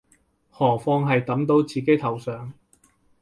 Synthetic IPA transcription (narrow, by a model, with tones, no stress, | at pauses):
hɔː˨˩fɔː˧ŋɦɐ˨jt̪ɐ˨˥mt̪o˨˥wt͡siː˨ke˨˥jt̪ʰɐ˨˩wsœː˨ŋ